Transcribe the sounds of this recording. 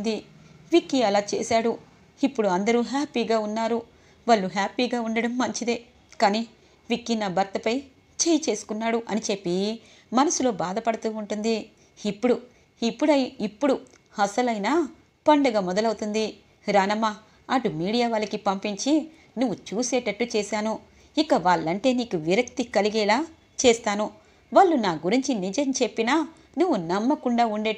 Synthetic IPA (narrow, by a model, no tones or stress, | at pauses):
d̪iʋikːiɐlaːt͡ʃḛːsaːɽu | ipːuɽuɐnd̪ɐɾuːɦaːpiːɡaːunːaːɾu | ʋɐɭːuɦaːpiːɡaːuɳɖɐɽɐmːɐɲt͡ʃid̪eː | kaːniː | ʋikːinabɐɾt̪ːɐpɐj | t͡ʃejit͡ʃe̞ːsu̥kunːaːɽuʔɐnit͡ʃe̞pːi | mɐnɐsulo̞ːbaːd̪ɐpɐɽɐt̪uːuɳʈund̪iː | pːuɽu | ipːuɽɐipːuɽu | hɐsɐlɐjnaː | pɐɳɖɐɡaːmɔd̪ɐlɐwut̪und̪i | ɾaːnɐmːaː | ɐʈumiːɽijaːʋaːlːɐkipɐmpiɲt͡ʃi | nuʋːut͡ʃuːsɛːʈɐʈːut͡ʃeːsaːnu | ikɐʋaːɭːɐɳʈe̞ːniːkuʋiɾɐkt̪ikɐliɡɛːlaː | t͡ʃeːst̪aːnu | ʋaːɭːunaːɡuɾiɲt͡ʃinid͡ʒɐmt͡ʃe̞pːinaː | nuʋːunɐmːɐkuɳɖaːuɳɖeː